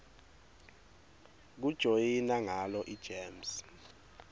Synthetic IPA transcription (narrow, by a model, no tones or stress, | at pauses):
k̬ud̥ʒ̥ʱojinaŋalɔʔid̥ʒ̥ʱeːms